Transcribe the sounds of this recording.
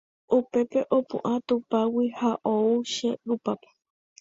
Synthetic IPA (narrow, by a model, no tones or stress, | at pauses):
ʔupe̞pe̞ʔopṵ̃ʔãt̪upawihaʔouʃeɾupape̥